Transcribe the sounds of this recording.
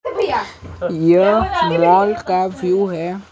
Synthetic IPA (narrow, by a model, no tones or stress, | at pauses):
jəwɔːlkaʋjuːɦɛ